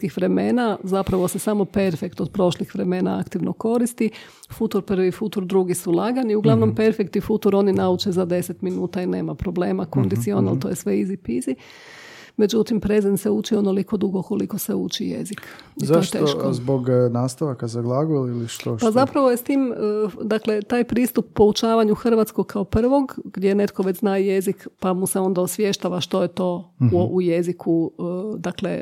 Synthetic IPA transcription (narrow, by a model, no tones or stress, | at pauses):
kixʋɾe̞me̞ːnazapɾaʋo̞se̞samo̞pe̞ɾfe̞kt̪od̪̚pɾo̞ʃlixʋɾe̞me̞ːna̰a̰kt̪iʋnoko̞ɾist̪i | fut̪oɾpr̩ʋifut̪oɾd̪ɾuɡisulˠaːɡaniuɡlˠaʋno̞mpe̞ɾfekt̪ifut̪oɾo̞ninaut͡ʃezad̪e̞set̪minuːt̪aine̞̰ːmapɾoble̞ːmako̞nd̪it̪sionalt̪o̞jesʋe̞izipizi | me̞d͡ʒut̪impɾezenseuːt͡ʃio̞noliko̞d̪uɡoko̞liko̞seṵːt͡ʃijḛzik | izːet̪eoːʃzboɡnaːst̪aʋakazaɡlˠaɡoliliʃt̪opzapɾaʋojest̪iːməd̪akle̞t̪aːjpɾiːst̪upːo̞ut͡ʃaːʋaɲuxr̩ʋat̪skoɡkʰaopr̩ʋo̞ɡɡd̪jene̞t̪kʰo̞ʋet͡ɕznaje̞zikpamuseo̞nd̪aosʋjeʃt̪aʋaʃt̪o̞jet̪o̞ːʔujezikʰud̪aklḛ